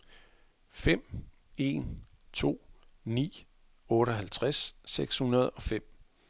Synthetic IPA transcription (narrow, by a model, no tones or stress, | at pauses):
fem̰ | e̝̰n | t͡sʰo̝̰ːnḭː | ɔ̽ːɾəɦælt͡sʰʁasːeɡ̥shunɐð̞ˠɒ̽fem̰